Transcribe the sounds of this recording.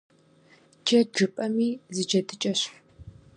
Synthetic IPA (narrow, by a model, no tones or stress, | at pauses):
d͡ʒɐʒɨpʼɐmiːzɨd͡ʒɐdʰɨt͡ʃʼɐɕħ